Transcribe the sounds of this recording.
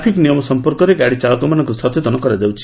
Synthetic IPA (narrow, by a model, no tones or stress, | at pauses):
pʰiknijɔmɔsɔmpɔɾkɔɾeɡaɽit͡ʃaɭɔkɔmanɔŋkusɔt̪et̪ɔnɔkɔɾad͡ʒawt͡ʃʰi̥